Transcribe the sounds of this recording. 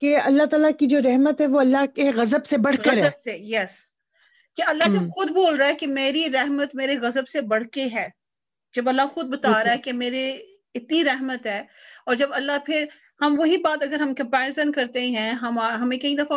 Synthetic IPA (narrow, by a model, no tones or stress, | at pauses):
keɐlːat̪aːlakid͡ʒoːɾɛɦmət̪ɦɛʋoɐlːakeɣɐzəbsebɐɽ̤kəɐɾɦɛəbsejɛs | keɐlːad͡ʒɐb̚xʊd̪boːlɾaːɦɛkemeːɾiɾɛɦmət̪meːɾeɣɐzəbsebɐɽ̤keɦɛː | d͡ʒɐbɐlːaxʊd̪̚bɐt̪aːɾaɦɛkemeːɾe | ɪt̪niɾɛɦmət̪ɦɛː | ɔːɾd͡ʒɐbɐlːapʰɪɾ | hɐmʋɐɦibaːt̪ɐɡəɾɦɐmkɐ̃mpɛːɾɪzənkɐɾt̪ẽɦɛ̃ɦɐmaɦɐmẽkɐĩd̪ɐfa